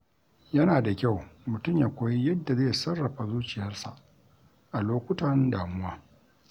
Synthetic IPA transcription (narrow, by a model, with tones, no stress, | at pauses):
jɐ˦naː˨da˨kʲa˦˨wmʊ˨tʊ˦mjaː˨kʷoː˨ji˦jɐ˦dːa˨zeː˦˨sɐ˦rːɐ˨ɸa˨zuː˦t͡ʃɪ˨jɐ˦rsa˨ʔ | ʔa˨loː˦kʷʊ˦tɐ˨ndaː˨mʊ˦waː˦